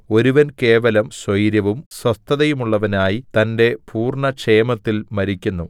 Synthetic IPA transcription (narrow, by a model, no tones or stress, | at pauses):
o̞ɾuʋɐnke̞ːʋɐlɐmsʋɐjɾjɐʋumswɐst̪ʰːɐðɐjumuɭːɐʋɐnaːjit̪ɐnde̞pʰuːrɳɐkʂeːmɐt̪ːilmɐɾikʲːunːu